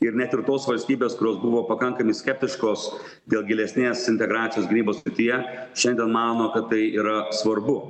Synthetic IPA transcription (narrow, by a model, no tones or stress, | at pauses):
ɪɾnʲæt̪ɪɾt̪oːsʋɐlʲsʲt̪ʲiːbʲeːskʊɾʲoːsbʊʋoːpɐkɐŋkɐmʲɐɪsʲkʲɛp̚ʲt̪ʲɪʃkoːs | d̪ʲeːlˠɡʲɪlʲɛsʲnʲeːsɪnʲt̪ʲɛɡɾaːt̪sʲɪjoːsɡʲɪnʲiːboːssʲɾʲɪt̪ʲijɛʃʲɛnʲd̪ʲiɛnmɑːnoːkɐt̪ːɐɪʔiːɾɐsʋɐɾbʊ